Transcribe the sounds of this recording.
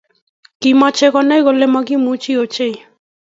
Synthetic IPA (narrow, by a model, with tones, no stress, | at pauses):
kima˦t͡ʃʰe˦kɔna˦jɡo˨le˦mɔ˦ki˦mu˦t͡ʃi˦ot͡ʃe˦j